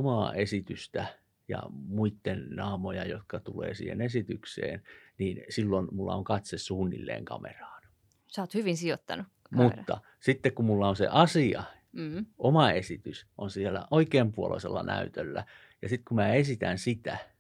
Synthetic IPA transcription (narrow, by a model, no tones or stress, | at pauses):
omɑːesit̪yst̪æ | jɑ̰muit̪ːennɑːmojɑjot̪kɑt̪ulḛːsḭːhḛnesit̪yksḛːnniːnsilːonmulːɑ̰oŋkɑt̪sessuːnːḭlːḛːŋkɑ̰mḛrɑ̥ːn | sɑːt̪hyʋinsiot̪ːɑ̰nu | mut̪ːɑ̰ | sit̪ːekkummulːɑonsḛʔɑsiɑ | ʔomɑesit̪ysʔonsielæ̰ʔoikeːmpuolʔo̰iselːɑnʔæ̰yt̪ølːæ | jɑsit̪kumæːesit̪ænsit̪æ